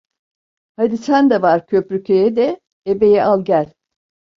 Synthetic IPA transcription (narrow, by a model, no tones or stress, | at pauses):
had̪isænd̪ɛvaɾcʰø̞pɾycʰejɛd̪ɛ | ebe̞jɛʔalˠɟælʲ